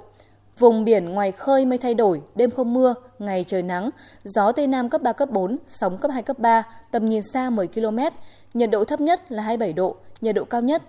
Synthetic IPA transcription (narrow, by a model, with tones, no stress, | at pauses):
vʊ˨˩ŋ͡mɓi˧˩ənŋwaː˨˩jxəː˧jmə˧jt̪ʰa˧jɗo˧˩jɗe˧mxə˧wŋ͡mmɨ˧əŋa˨˩jt͡ɕəː˨˩jna˨˦ŋ | zɔ˨˦t̪e˧naː˧mkə˦˥p̚ɓaː˧kə˦˥p̚ɓo˨˦nsa˨˦wŋ͡mkəː˦˥p̚ɦaː˧jkə˦˥p̚ɓaː˧t̪ə˨˩mɲi˨˩ənsaː˧mɨ˨˩əjki˧lo˧mɛ˦˥t̚ | ɲə˨˩t̚ɗo̰˧˨t̪ʰə˦˥p̚ɲə˦˥t̚laː˨˩ɦaː˧jɓa˧˩jɗo̰˧˨ɲə˨˩t̚ɗo̰˧˨kaː˧wɲə˦˥t̚